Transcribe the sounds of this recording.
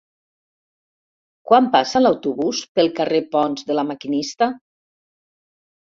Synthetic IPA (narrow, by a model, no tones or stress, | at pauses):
kwampasalawt̪uβuspəlˠkarepɔnzðəlamakinist̪a